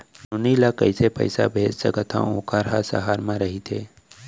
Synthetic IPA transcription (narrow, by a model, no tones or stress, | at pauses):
nʊnilakə̰ɪsepə̰ɪsa̰bʱeːd͡ʒsə̰kət̪ʰã̰õːkaɾɦasɐ̰ɦaːɾmãɾɐɦit̪ʰḛː